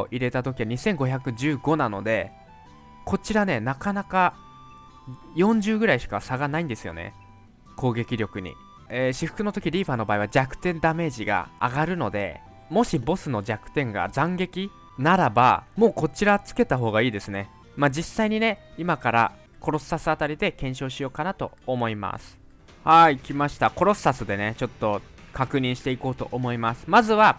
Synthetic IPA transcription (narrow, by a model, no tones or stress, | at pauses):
ʔiɾe̞t̪at̪o̞k̬ʲiβaɲ̟isẽ̞ŋɡo̞çakɯ̟d͡ʑɨːɡo̞nano̞̰d̪e̞ | ko̞t͡ɕiɾane̞nakanaka | jõ̞ɲ̟d͡ʑɨːɡɯ̟ɾaiɕi̥kasaɡanaĩnd̪e̞sɨjo̞̰nḛ | ko̞ːɡe̞kʲiɾʲjo̞kɯ̟ɲ̟ḭ | eːɕiɸɯ̟̥kɯ̟no̞t̪o̞kʲiɾʲiːɸano̞baːiβad͡ʑakɯ̟̥t̪ẽ̞nd̪ame̞ːʑiɡa̰a̰ɡaɾɯ̟no̞d̪e̞̰ | mo̞ɕibo̞sɨno̞d͡ʑakɯ̟̥t̪ẽ̞ŋɡa̰d͡zãŋɡe̞kʲi | naɾaba̰mo̞ːko̞t͡ɕiɾat͡sɨ̥ke̞t̪aɦo̞ːɡaiːd̪e̞sɨne̞ | mad͡ʑisːaiɲ̟ine̞imakaɾa̰ | ko̞ɾo̞sɨ̥ːasɨat̪aɾʲid̪e̞kẽ̞ɰ̃ɕo̞ːɕijo̞ːkanat̪o̞̰ːmo̞ima̰sɨ̥ | haiːkʲimaɕi̥t̪ako̞ɾo̞sɨ̥ːasɨd̪e̞ne̞t͡ɕo̞t̪ːo̞ | kakɯ̟ɲ̟ĩɰ̃ɕi̥t̪e̞iko̞ːt̪o̞̰ʔomo̞imasɨ̥mazɨβa